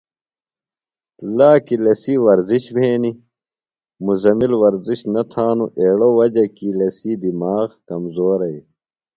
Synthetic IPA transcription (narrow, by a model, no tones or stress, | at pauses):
laːkilɐsiːwɐɾziɕbʱeːni | muzɐmilwɐɾziɕnɐt̪ʰaːnuʔeːɽoːwɐd͡ʑɐkilɐsiːd̪imaːɣkɐmzoːɾɐj